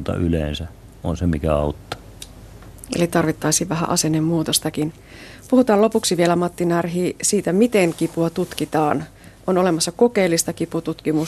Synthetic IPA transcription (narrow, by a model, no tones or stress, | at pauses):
t̪ɑ̰ʔylḛːnsæ | onsemikæɑut̪ːɑ̥ | ḛlit̪ɑrʋit̪ːɑjsiːʋʋæɦæ̰ʔɑse̞nːemːuːt̪ost̪ɑkin | puhut̪ɑːlo̞puksiʋie̞læmɑt̪ːinærɦiːsiːt̪æmit̪e̞ŋkipuɑt̪ut̪kit̪ɑːn | ʔo̞no̞le̞mɑsːɑko̞ke̞ːlːist̪ɑkiput̪ut̪kimu